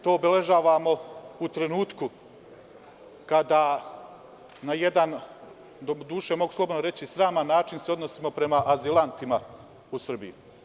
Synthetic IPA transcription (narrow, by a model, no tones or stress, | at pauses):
t̪o̞ːbele̞ʒaːʋamo̞ut̪ɾe̞nuːt̪ku | kad̪a | naje̞d̪an | d̪od̪uːʃe̞mo̞ɡuslˠobod̪noɾe̞t͡ɕisɾaːmanːaːt͡ʃinseo̞d̪nosimo̞pɾe̞maʔazilˠant̪ima | usr̩bḭju